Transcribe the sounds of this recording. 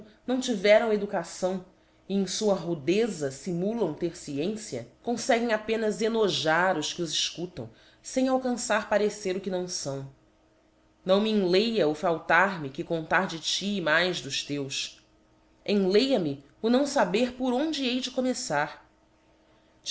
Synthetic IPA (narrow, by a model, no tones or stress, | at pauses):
nɐ̃w̃t͡ʃivɛɾɐ̃w̃ed̪ukasɐ̃w̃ | iẽj̃suɐɦud̪ezɐsimulɐ̃w̃t̪eɾsiẽsiɐ̰kõsɛɡẽŋ̃apẽnɐzenoʒaɾʊʃkɪʊziʃkut̪ɐ̰̃w̃ | sẽj̃awkɐ̃saɾpaɾeseɾʊkɪnɐ̃w̃sɐ̃w̃ | nɐ̃w̃miẽlejɐʊfawt̪aɾmɪkɪkõnt̪aɾd͡ʒɪt͡ʃiːmajzd̪ʊʃt̪ews | ẽlejɐmɪ | ʊnɐ̃w̃sabeɾpʊɾõnd͡ʒɪejd͡ʒɪkomesaɾ